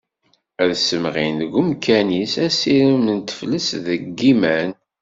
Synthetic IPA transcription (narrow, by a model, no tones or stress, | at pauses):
æðsəmʁinɡʊmkʰænisæsiɾumənt̪ə̥fləsðəɡːimæn